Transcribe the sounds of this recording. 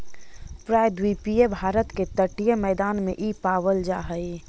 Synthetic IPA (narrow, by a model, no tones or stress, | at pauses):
pɾaːjd̪wipiebʱaːɾət̪ket̪əʈijəmɛːd̪aːnmḛ̃ʔiːpaːʋəld͡ʒaːɦəi